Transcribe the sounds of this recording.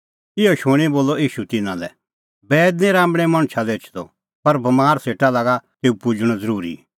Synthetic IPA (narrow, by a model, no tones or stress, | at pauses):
ɪɔʃʊɽ̃iboːlːɔiːʃut̪ɪnãlɛ̰ | bɛːd̪nẽɾãːmbɽ̃ɛ̃mɐ̃ɽ̃t͡ʃʃʰad̪eːt͡ʃʰd̪ɔ̰ | pɐɾbɐmaːɾseːʈalaːɡat̪eːupʊd͡ʒɽ̃ɔzɐɾuːɾḭ